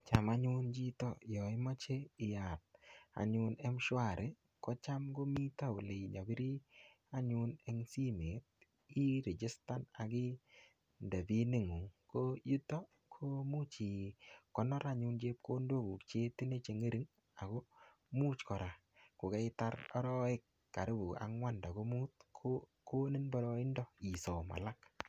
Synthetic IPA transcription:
t͡ʃa˨ma˦ɲʊ˦nd͡ʒi˦tɔ˦jɔ˨ɪ˦mɔ˦t͡ʃe˦ɪ˨ja˨t̚a̰˨ɲʊ˦nɛ˦mʃwa˦˨ɾʔe˨ | kɔ˦t͡ʃa˦mɡo˦mi˦ta˦o˨le˨d͡ʒa˨bi˦ɾi˦ | a˦ɲʊ˦ne˦ŋsi˦me˨t̚ | i˦ɾe˨d͡ʒɪ˦sta˦na˨ɡɪ˦ | nda˨bi˦ne˦ŋu˨ŋko˦ju˦tɔ˦ | kʰo˦mu˦t͡ʃi˨kɔ˨nɔ˦ɾa˦ɲu˧˦nd͡ʒe˦p̚ko˦ndo˦ku˨kt͡ʃe˦ti˦ne˦t͡ʃe˨ŋe˦ɾi˦ŋ | a̰˨ko˦ | muː˦t͡ʃkɔ˨ɾa˨ | ko˨kɛ˦ɪ˦ta˦ɾɔ˦ɾɔ˦ɪ˦kːa˨ɾɪ˦bu˨a̰˨ŋwa˦nda˨ɡo˦mu˦t̚kʰo | ko˦ni˦nbɔ˦ɾɔ˦ɪ˦ndɔ˦i˨sɔ˨ma̰˨la˦k

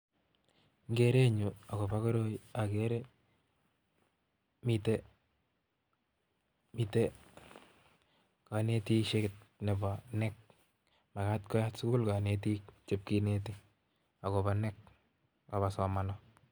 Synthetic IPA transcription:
ŋɡe˦ɾe˦ɲu˨a˨ko˨ba˦ko˦ɾo˦ia˨ke˦ɾe˦ | mi˨te˦ | mi˨te | ka˨ne˦ti˦ʃe˦kɪt̚ne˨bɔ˨nɛ˦k̚ | ma˨ka˦tkɔ˦ja˦tsu˦ku˦lka˨ne˦t̬i˦k̚t͡ʃe˦p̚ki˦ne˦t̬i˦ | a˨ko˨ba˨nɛ˦k̚ | ka˨βa˨sɔ˨ma˨nɔ˦

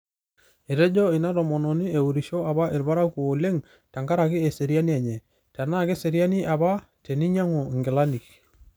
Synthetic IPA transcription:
e˨ɾɛ˦d͡ʒɔ˦ɪ˨na˦tɔ˨mɔ˨nɔ˨ni˦e˨u˨ɾi˨ʃo˦a˨ba˦ʔe˨ɾba˦ɾa˦ku˨o˨le˦ŋ | ta˨ŋka˦ɾa˨kɪ˦e˨se˨ɾja˦ni˦ɛ˨ɲɛ˨ | ta˨na˦˨ke˦se˨ɾja˦ni˦ʔa˨ba˦ | te˨ni˦ɲa˦ŋo˨ŋɡɪ˨la˦ni˨k

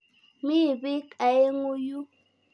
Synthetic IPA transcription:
mi˦˨bi˦kʼa˨e˦ŋu˦ju˦

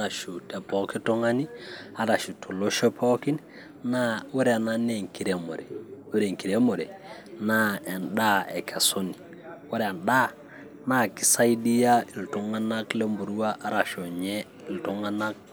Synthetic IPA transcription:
a˦ɾa˨ʃu˨te˨pɔ˦ki˦to˦ŋa˦ni˦a˨ɾa˨ʃu˨tʰo˨lo˦ʃɔ˦pʰɔ˦ki˦n | na˦we˦ɾɛ˦a˨na˦ne˦ŋki˨ɾe˨mo̰˨ɾɛ˨we˦ɾe˨ŋki˨ɾe˦mo˨ɾɛ̰˨ | na˦ɛ˨nda˦ḛ˨kʰa˨so˦ni˨ | wo˦ɾɛ˨a˨nda˦ | na˦˨ki˨sa˦i˦di˦ja˦i˨lto˨ŋa˦na˦kle˦mbu˨ɾu˦wa˦ʔːɾa˨ʃo˨ɲe˦ | i˨lto˦ŋa˦na˦k̚

